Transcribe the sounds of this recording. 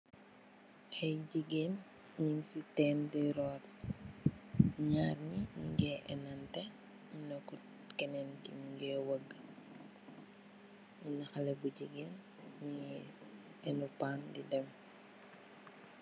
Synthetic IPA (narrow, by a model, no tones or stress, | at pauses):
hɛjɟiɡen | ɲiŋsitɛːndɛɾɔːt̚ | ɲaːrɲiɲḭŋɡɛʔɛ̰nɐntɛ | inɔkːu | kɛnɛntiɡɛwɐɡː | inɐxɐlɛbuɟiɡeːn | ɲi | ɛnupaːndidɛm